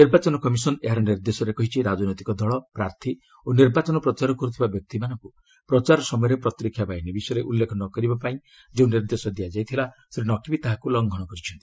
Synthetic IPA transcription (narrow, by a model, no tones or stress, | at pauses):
niɾbat͡ʃɔnɔkɔmisɔneɦaɾɔniɾd̪esɔɾekɔɦit͡ʃʰiɾad͡ʒɔnɔjt̪ikɔd̪ʱɔɭɔpɾaɾt̪ʰi | oniɾbat͡ʃɔnɔpɾɔt͡ʃaɾɔkɔɾut̪ʰibabjɔk̚t̪imanɔŋku | pɾɔt͡ʃaɾɔsɔmɔjɔɾepɾɔt̪ɾikʰjabainibisɔjɾeʔulːekʰɔnɔkɔɾibapaĩ | d͡ʒeũniɾd̪esɔd̪ijad͡ʒajt̪ʰilasɾinɔkibit̪aɦakulɔŋɡʱɔɽ̃ɔkɔɾit͡ʃʰɔnt̪ii